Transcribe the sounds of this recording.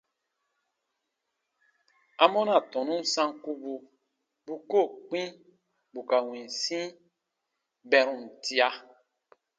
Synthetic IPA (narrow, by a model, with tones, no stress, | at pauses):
a˦mɔ˦na˨tɔ̃˨nũ˦n̩˦sã˦ŋku˦bu˧ | bu˦ko˦˨k͡pĩ˦ | bu˨ka˨wĩ˨n˨sĩ˦ | bɛ˨ɾũ˨n̩˨ti˦a˦